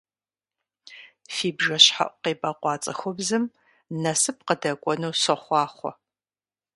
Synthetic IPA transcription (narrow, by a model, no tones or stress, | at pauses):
fiːbʒɐɕħa̰ʔʷqeːbʼɐqʷɑːt͡sʼɐxʷɔbzɨm | nɐsɨp̚qədɐkʷʼɔnuːsɐχʷɑːχʷɔ̰